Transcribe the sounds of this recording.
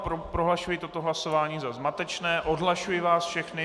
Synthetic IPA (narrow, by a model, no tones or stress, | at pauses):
pɾopɾoɦlaʃujɪt̪o̞t̪oɦlaso̞vaːɲiːzazmat̪ɛt͡ʃnɛːʔo̞dɦlaʃujɪvaːsfʃɛxnɪ